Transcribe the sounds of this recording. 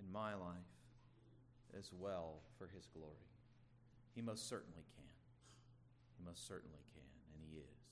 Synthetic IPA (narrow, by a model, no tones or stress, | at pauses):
ɨ̃nmaɪlaɪf | ʔɨzwɛlˠfə˞ɨzɡlɔɹi | imoʊstsɜ˞ʔn̩likʰɨ̃n | himʌʊstsɜ˞ʔn̩likʰɨ̃nɨ̃niɪz̥